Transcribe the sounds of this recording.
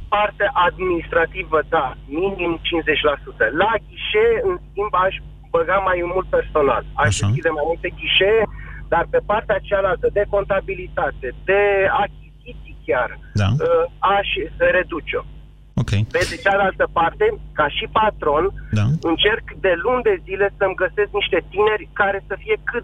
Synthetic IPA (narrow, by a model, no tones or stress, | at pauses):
part̪eʔad̪minist̪ɾat̪ivəd̪aminimt͡ʃinse̞t͡ʃʲlasut̪əlakʲiʃeeɨnskʲimbaʃ | bəɡamajmult̪̚pe̞rso̞na̰laʃd̪eskkild̪emajmult̪e̞kʲiʃeed̪arpe̞part̪eat͡ʃealalt̪əd̪e̞ko̞nt̪abilit̪at̪e̞d̪e̞akʲizit̪sijkʲard̪aəaʃʲɾe̞d̪ut͡ʃo | okʲejved̪et͡ʃead̪ealt̪əpart̪e̞kaʃipat̪ɾo̞nd̪aɨnt͡ʃe̞rkd̪e̞lund̪e̞zile̞səmɡəse̞skniʃt̪e̞t̪ine̞rʲkaɾe̞səfije̞kɨt̪